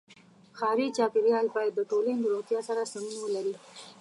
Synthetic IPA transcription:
xɑɾit͡ʃɑpɪɾjɑlbɑjad̪ːəʈoland̪əɾot̪jɑsaɾasamunawəlaɾi

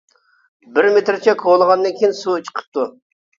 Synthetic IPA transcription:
bɪɾmet̪ɾɪt͡ʃʰɛkʰolˠəʁɑnd̪ɨnkʲʰejinsut͡ʃʰə̥qʰə̥p̚t̪ʰu

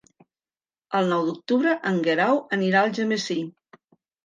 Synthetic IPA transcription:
əlˠnɔwd̪uk̚t̪uβɾəʔəŋɡeɾawəniɾaəlˠʒəmesi

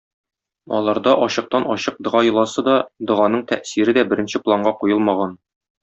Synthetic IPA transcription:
ɒ̰lˠɑɾd̪ɑʔɒɕɤ̆q̚t̪ɑnɒɕɤq̚d̪ɤ̆ʁɑjɤ̆lˠɑsɤd̪ɒd̪ɤ̆ʁɑnɤɴt̪ʰæ̰ʔsiɾɘd̪æbɘ̆ɾɘ̆nɕɘplˠaɴɢɑqujɤlˠmɑʁɑn

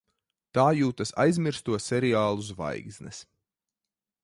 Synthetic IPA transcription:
t̪aːjuːt̪asa̰jzmiɾst̪uɔsɛɾiaːlˠuzva̰jɡzʲnɛ̰s

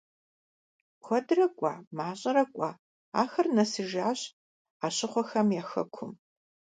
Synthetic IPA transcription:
xʷɔdrɐkʷʼa̰ːmaːɕʼɐɾɐkʷʼaː | a̰ːxɐrnɐsɨʒaːɕ | aːɕɪχʷɔxɐmjaːxɐ̰kʷʰʊm

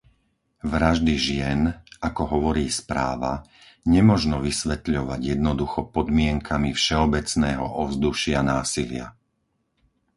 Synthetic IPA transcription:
ʋɾaʒd̪iʒɪɛnakɔɦɔʋɔɾiːspɾaːʋa | ɲɛmɔʒnɔʋisʋɛt̪ʎɔʋaɟjɛd̪nɔd̪uxɔpɔd̪mɪɛŋkʰamifʃɛɔbɛt͡snɛːɦɔ̰ʔɔvzd̪uʃɪanaːsilɪa̰

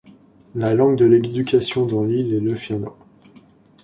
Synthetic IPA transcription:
lalɑ̃ɡd̪əled̪ykʲasjɔ̃d̪ɑ̃lileləfɛnɑ̰̃

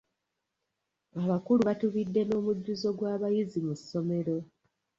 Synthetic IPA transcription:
aβakuluβatuβidːe̞no̞ːmuɟːuzo̞ɡwaːβajizimusːo̞me̞ɾo̞

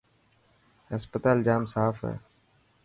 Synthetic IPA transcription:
ɦəspət̪aːld͡ʒaːmsaːfɦɛ̰ː

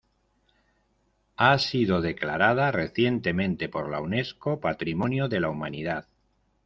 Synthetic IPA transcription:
asiðo̞ðe̞klaɾað̞are̞θje̞nt̪e̞mẽ̞nt̪e̞po̞ɾla̰wne̞sko̞pat̪ɾimõ̞njoðe̞laumaniðað

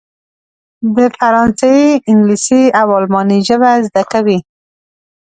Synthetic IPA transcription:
d̪əfaɾɑnsaiɪŋɡlisiawɑlmɑniʒəβazd̪akawi

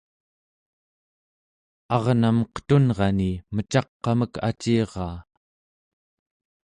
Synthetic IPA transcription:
ɑʁnaməqə̥t̪unʁɑnimət͡ʃɑqːɑməkʰa̰t͡ʃiːʁɑː

